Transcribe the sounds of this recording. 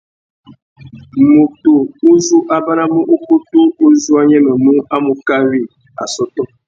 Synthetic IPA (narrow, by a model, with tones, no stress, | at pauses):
mo˨to˨u˦zu˦ʔa˦ba˦na˦mə˦ʔo˦ko˦to˦o˦zu˦a˦ɲɛ˦mɛ˨mu˦a˦mo˦ka˦ɾi˦˨ | a̰˨sɔ˦tɔ˦